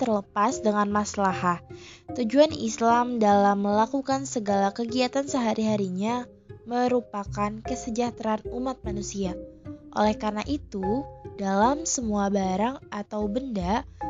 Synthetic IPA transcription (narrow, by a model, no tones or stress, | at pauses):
t̪ərləpasdəŋanmaslahat̪ud͡ʒuanislamdalamːəlakukansəɡalakəɡiat̪ansəɦaɾiɦaɾiɲa | məɾupakankəsəd͡ʒaht̪ɾaːnumat̪̚manusiaʔo̰lɛhkarnaʔit̪udalamsəmuabaɾaŋʔat̪awbənda